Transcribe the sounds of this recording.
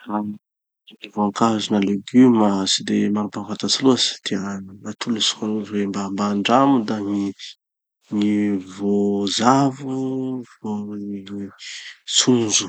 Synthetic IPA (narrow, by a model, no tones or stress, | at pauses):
an | inivoaŋkazunaleɡymasid̪emaɾupavat̪asiluast̪ianat̪ʰulusu̥kanuzwembambaːɳɖ͡ʐamud̪aŋi | ŋivozavuvoi | sund͡ʒu̥